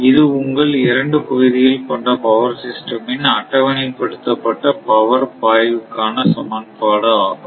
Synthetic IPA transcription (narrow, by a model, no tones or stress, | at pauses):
ɪðɯʊŋɡɐɭɪɾɐɳɖɯkʊʋɪðɪjɪlpɐɳɖɐpɐʋɐɾsɪsʈɐmɪnɐʈːɐʋɐnɪpɐɽɯt̪ːɐpːɐʈːɐpɐʋɐɾpaːjʋɯkːaːnɐsɐmɐːnpaːɽɐaːɣɯm